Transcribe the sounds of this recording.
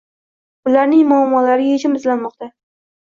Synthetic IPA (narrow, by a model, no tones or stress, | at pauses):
bʊlaɾnɪŋmʊamːɒlaɾɪjed͡ʒɪmɪzlanmɒqt̪a